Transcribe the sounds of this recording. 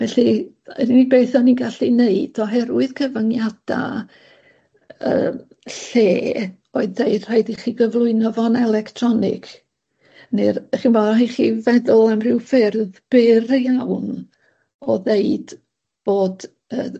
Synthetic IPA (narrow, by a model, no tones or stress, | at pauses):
vɛɬḭ | dinibeːθɔniɡaɬineɨd̥ɔɦɛɾwɨðɡʰəvəŋjad̥a̰ | ə̰ː | ɬeː | oɨðeɨd̥r̥ajdiχiːɡəvlˠʊɨnɔvɔnɛlˠɛktʰrɔnɪ̰kʰ | nirχinvɔɦiχivɛðʊlˠɛmrɪwfɪrðb̥ɪrjawn | ɔðeɨd̥ | b̥oːd | əː